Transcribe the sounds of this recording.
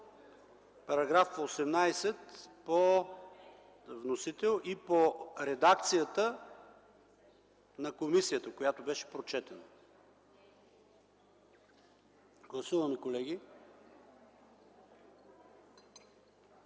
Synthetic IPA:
pɐɾɐɡɾafposɛmnajsɛt̪po | vnosit̪ɛlˠipoɾɛd̪ak̚t̪sijət̪ə | nɐkomisijət̪əkojat̪obɛʃɛ̥pɾot͡ʃɛt̪ənə | ɡ̥lˠɐsuvɐmɛkolɛɡʲi

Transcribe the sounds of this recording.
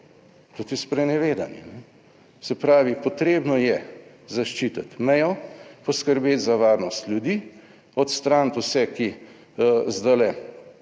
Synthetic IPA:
t̪ut̪ispɾɛnɛʋeːd̪anjɛ̰nɛ | sɛpɾaːʋipɔt̪ɾeːbnɔjɛ | zaʃt͡ʃit̪ət̪mɛjɔpɔskəɾbeːt̪zaʋaːɾnɔst̪ljud̪iː | ɔt̪st̪ɾant̪usɛki | zd̪alɛ

